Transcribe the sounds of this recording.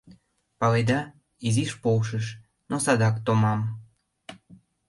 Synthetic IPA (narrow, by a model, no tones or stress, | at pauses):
pɑled̪ɑ | iziʃpowʃəʃ | nosɑd̪ɑkt̪omɑm